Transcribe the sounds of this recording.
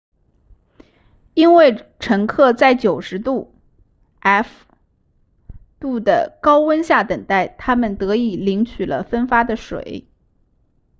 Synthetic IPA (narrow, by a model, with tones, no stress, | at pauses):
i˥nwe˥˩ɪʈ͡ʂʰɤ˧˥ŋkʰɤ˥˧t͡sa˥˩ɪt͡ɕjo˨˩ʊʂɻ̩˧˥t̪u˥˩ | ɛ˥˩f | t̪u˥˩d̪ə̰˩kɑ˥ʊwə˥nɕja˥˩t̪ə˨˩ŋt̪a˥˩ɪt̪ʰa˥mə˨nt̪ɤ˧˥i˨˩li˧˥ŋt͡ɕʰy˨˩lə̰˦fə˥nfa˥d̪ə˨ʂwḛ˨˩˦ɪ